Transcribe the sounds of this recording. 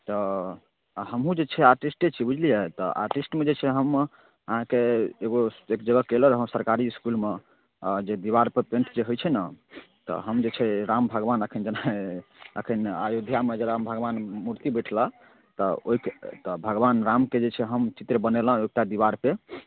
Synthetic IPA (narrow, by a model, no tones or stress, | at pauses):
t̪ɔ | ɦəmɦũd͡ʒet͡ʃʰɛaɾʈisʈet͡ʃʰibud͡ʒʱlijɛt̪ɔ̰ʔa̰ɾʈisʈmed͡ʒet͡ʃʰɛɦəm | əɦãkeːɡoekd͡ʒəɡəkeləɾɦəmsəɾkaɾiiskulme | d͡ʒed̪iβaɾpepẽɳʈʰd͡ʒeɦojt͡ʃʰɛna | t̪ɔ̰ɦəmd͡ʒet͡ʃʰɛɾambʱəɡbanəkʰind͡ʒena | ə̰kʰinajod̪ʱjamed͡ʒeɾambʱəɡbanmuɾt̪ibəjʈʰlə | t̪ɔoikt̪ɔbʱəɡbanɾamked͡ʒet͡ʃʰɛɦəmt͡ʃit̪ɾbənelə̃ok̚ʈad̪iβaɾpe